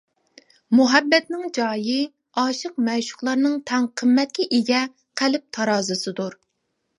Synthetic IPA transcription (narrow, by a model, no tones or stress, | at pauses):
muɦɛbːɛt̪nɪŋd͡ʒɑːjɨ | ɑːʃɨq̚mɛʃʊ̥χlˠɑɾnɨŋt̪ʰɛŋqʰəmːɛt̪̚kʲɪʔeɡʲɛ | qʰælɪp̚t̪ʰɑɾɑːzɨsɨd̪uɾ